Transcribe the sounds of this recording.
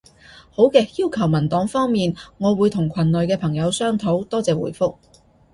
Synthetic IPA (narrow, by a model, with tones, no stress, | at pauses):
ho˨˥wkɛː˧k̚jiː˥wkʰɐ˨˩wmɐ˨˩nt̪ɔː˨˥ŋfɔː˥ŋmiː˨nŋɔː˨˧wuː˨˧jt̪ʰʊ˨˩ŋkʰɐ˨˩nlɵ˨jkɛː˧pʰɐ˨˩ŋjɐ˨˧wsœː˥ŋt̪ʰo˨˥wt̪ɔː˥t͡sɛː˨wṵː˨˩jfʊ˥k̚